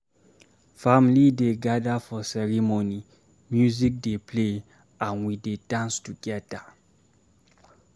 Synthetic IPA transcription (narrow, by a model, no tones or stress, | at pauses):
famlideɡadafɔsɛɹimoni | mjuzik̚depʰle | ãnwidedãnstuɡɛda